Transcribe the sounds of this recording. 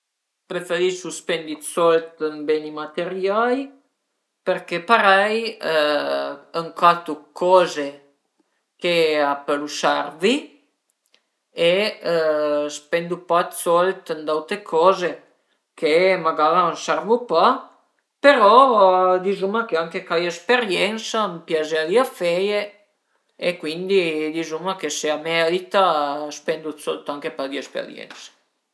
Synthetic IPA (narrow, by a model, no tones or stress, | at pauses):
pɾefeɾiʃuspend̪it̪sɔlt̪ənbenimat̪eɾjaj | peɾkepaɾɛj | əŋkat̪ukʰɔze | keapəlusarvi | e | spend̪upat̪solt̪ənd̪awt̪ekʰɔze | kemaɡaɾansaɾvupa | peɾɔd̪izumakeaŋkekajespeɾjɛnsampjazead̪iafɛje | ekwind̪id̪izumakeseamealit̪aspɛnd̪ut̪sɔlt̪aŋkepad̪iespḛɾjɛ̰nsḁ